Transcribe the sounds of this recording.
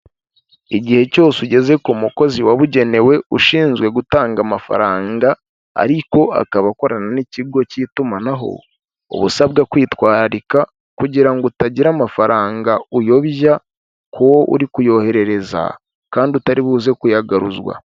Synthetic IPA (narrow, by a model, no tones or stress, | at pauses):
iɟihe̞co̞ːsuɟe̞ze̞komuko̞ziwaβuɟe̞ne̞we̞uʃiːnzɡwe̞ɡutaːŋɡamafa̰ɾaːŋɡa̰ː | ɾiko̞a̰kaβako̞ɾananiciɡo̞citumanaɦo̞̰ | o̰βusaβɡakwiːtwaːɾaɾika | kuɟiɾaŋɡotaɟiɾamafaɾaːŋɡaujo̞βʒa | koʔṵɾikujo̞he̞ɾe̞ɾe̞za̰ | kaːndiutaɾiβuːze̞kujaɡaɾuzwa̰